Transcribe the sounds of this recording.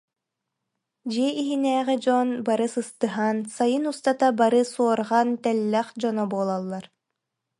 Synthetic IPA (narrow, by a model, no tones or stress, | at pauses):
d͡ʑiɛiɦinɛːʁɛd͡ʒɔnbaɾɯsɯst̪ɯɦansajɯnust̪at̪abaɾɯsuɔɾʁant̪ɛlːɛχd͡ʑɔnɔbuːlˠalˠːaɾ